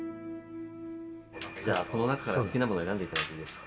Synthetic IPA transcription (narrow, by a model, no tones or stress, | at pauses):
d͡ʑaːko̞no̞nakḁkaɾaskʲinamo̞no̞e̞ɾãnd̪e̞it̪ad̪akid̪e̞s